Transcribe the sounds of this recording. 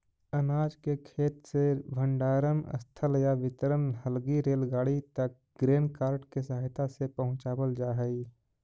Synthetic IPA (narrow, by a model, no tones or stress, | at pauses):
ənaːd͡ʒkekʰeːt̪sebʱə̃ɳɖaːɾəmə̰st̪ʰəljaʋɪt̪əɾənɦəlɡiɾeːlɡaːɽit̪ək̚ɡɾeːnkaːɾʈkesəɦaɪt̪asepəɦʊ̃t͡ʃaːbəld͡ʒaːɦəi